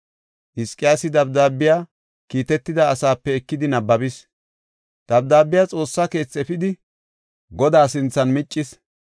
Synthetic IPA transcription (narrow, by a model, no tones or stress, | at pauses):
ʔɪskʼːɪjaːsɪd̪ɐbd̪aːbːɪjaː | kiːt̪ɛt̪ːɪd̪ɐːsaːpːɛɛkːɪd̪ɪnɐbːɐbɪs | d̪̥ɐb̚d̪aːbːɪjaːt͡sʼo̞ːsːake̞ːt͡sːɛpɪd̪ɪ | ɡɔd̪aːsɪnt͡sːɐnmɪt͡ʃʼːɪs